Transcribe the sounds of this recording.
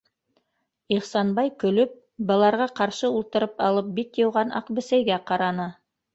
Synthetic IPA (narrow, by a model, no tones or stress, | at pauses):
iχsɑnbɑjkɵ̆lɵp̚ | bɤ̆lˠɑɾʁɑqɑɾʃɤulˠt̪ɤ̆ɾɤpɑlˠɤp̚bit̪jɤ̆wʁɑnʔɑ̰qbɘ̆sæjɡæqɑɾɑnɤ